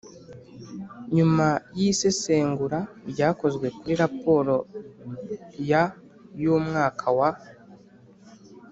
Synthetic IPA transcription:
ɲumajise̞se̞ːŋɡuɾabɟaːko̞zɡwe̞kuɾiɾapo̞ːɾo̞ | ja | juːmŋaːkʰawa

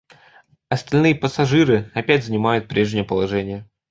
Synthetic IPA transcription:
ɐst̪ɐlʲnɨjəpəsɐʐɨɾɨɐpʲætʲzənʲɪmajʊt̪̚pɾʲe̞ʐnʲɪjəpəlˠɐʐɛnʲɪjə

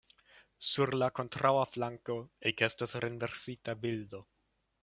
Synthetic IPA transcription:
suɾlako̞nt̪ɾʔawaflaŋkoekest̪osɾenveɾsit̪abild̪o

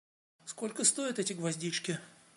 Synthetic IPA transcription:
sko̞lʲkəst̪o̞jɪt̪ɛtʲɪɡvɐzʲdʲit͡ʃkʲɪ

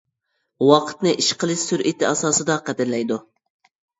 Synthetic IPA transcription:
wɑqʰə̥t̪nɨʔiʃqəlˠɨʃsyɾʔit̪ʰɪɑsɑːsɨd̪ɑqɛd̪ɪɾlɛjd̪u

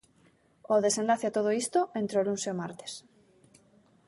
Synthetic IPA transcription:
oðe̞senlaθeat̪oð̞oist̪oʔẽnt̪ɾolunseomaɾt̪e̥s

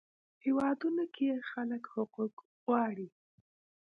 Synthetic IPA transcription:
hewɑd̪unokʰejexaləkhʊquk | ɣɑɽi

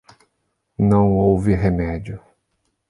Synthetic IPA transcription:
nɐ̃w̃owvɪɦemɛd͡ʒʊ

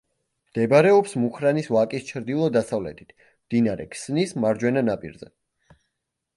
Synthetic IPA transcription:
md̪̥ɛbɾɛɔpsmuχɾanisvakʼist͡ʃʰɾd̪ilˠɔd̪asavlɛ̰t̪ʰi̥t̪ʰ | md̪̥inaɾɛ̰kʰsnismaɾd͡ʒwɛnanapʼḭɾzɛ̰

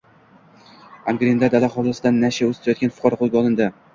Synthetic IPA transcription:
aŋɡɾʲend̪ad̪alaχɒlˠɪsɪd̪anːaʃaɵzt̪ʰajɒt̪ɡʲanfʊ̥qʰɒɾɒqʰolˠɡʲaɒlˠɪnd̪ɪ

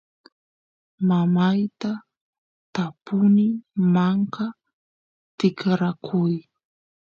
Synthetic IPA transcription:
mamajt̪a | t̪apʊnɪmaɴka | t̪ɪkɾakʰʊj

